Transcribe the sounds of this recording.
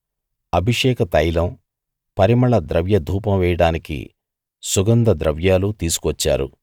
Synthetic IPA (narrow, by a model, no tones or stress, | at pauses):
ɐbʱiʂɛːkɐt̪ɐjlɐm | pɐɾimɐɭɐd̪ɾɐʋjɐd̪ʱuːpɐmʋɛːjɐɽaːnikḭ | suɡɐnd̪ɐd̪ɾɐʋjaːlut̪iːsu̥kuʋɐt͡ʃːa̰ːɾṵ